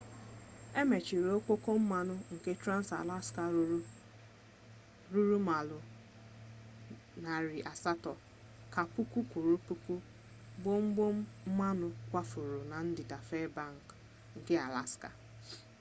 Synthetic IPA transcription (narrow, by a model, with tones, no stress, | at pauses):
e˦me˨t͡ʃi˨ɾe˨o˦k͡po˦ko˦m̩˦ma˦nʊ˦ŋ̩˨ke˦tɾa˦n̩˦sa̰˨la˦ska˨˦ | ɾu˦ɾu˦ma˨lʊ˨ | na˨ɾi˨ʔa˨sa˦tɔ˨ | ka˨pu˦kʷu˦kʷu˨ɾu˦pu˦ku˦ | bo˦m̩˦ɡ͡bo˦m̩˦m̩˦ma˦nʊ˨kʷa˦fu˨ɾʊ˨na˨n̩˦dɪ˨da˨fe˦ba˦˨ŋ̩˨k | ŋ̩˨kɪ˦a̰˨la̰˦ska̰˨